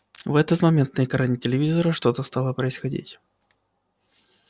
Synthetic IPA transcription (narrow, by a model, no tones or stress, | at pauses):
vɛt̪ət̪mɐmʲent̪nəɪkɐɾanʲɪtʲɪlʲɪvʲizəɾəʂt̪o̞t̪əst̪alˠəpɾəɪsxɐdʲḭtʲ